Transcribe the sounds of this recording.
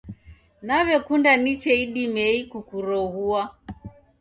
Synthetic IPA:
naβɛkundanit͡ʃɛiɗimɛikukuɾɔɣua

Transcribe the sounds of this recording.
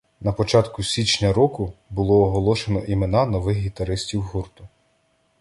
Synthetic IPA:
nɐpɔt͡ʃɑt̪kʊsʲit͡ʃnʲɐɾɔkʊbʊlˠɔːɦɔlˠɔʃenɔʔimenɑnɔʋɪxɦʲit̪ɐɾɪsʲtʲiwɦurt̪ʊ

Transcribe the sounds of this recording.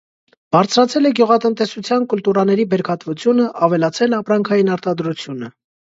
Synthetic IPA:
b̥ɑɾt͡sʰɾɑt͡sʰɛlɛɡjuʁɑt̪ənt̪ɛsut͡sʰjɑnkult̪uɾɑnɛɾibɛɾkʰɑt̪vut͡sʰjunəʔɑvɛlɑt͡sʰɛlɑpɾɑŋkʰɑjinɑɾt̪ɑd̪ɾut͡sʰjunə

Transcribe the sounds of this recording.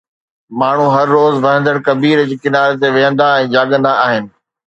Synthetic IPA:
maːɳ̤ũɦɐɾːoːzʋɐɦə̃nd̪əɽkɐbiːɾd͡ʑikɪnaːɾet̪̬eʋeːɦə̃nd̪aɛ̃ːd͡ʑaːɠə̃nd̪aaːɦɪnɪ̆

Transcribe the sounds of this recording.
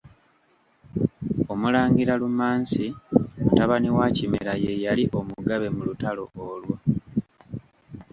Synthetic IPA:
o̞mulaːŋɡiɾalumaːnsimutaβaniwacimeɾaje̞jaliʔo̞muɡaβe̞mulutalo̞̰oːlwo

